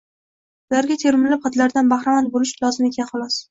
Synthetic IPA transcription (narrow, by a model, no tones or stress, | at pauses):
ʊlaɾɡʲat̪ʰe̞ɾmɪlɪp̚χɑt̪laɾd̪anbaχɾamant̪̚bolɪʃlɒzɪmekʲʰanχɒlˠɒs